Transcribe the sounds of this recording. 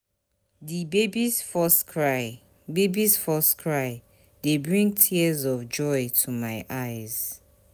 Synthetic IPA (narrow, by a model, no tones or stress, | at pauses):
dibebizfɔskʰɹaɪ | bebizfɔskʰɹaɪ | debɹĩŋtʰiəzɔvd͡ʒɔɪtʰumaɪʔaɪz̥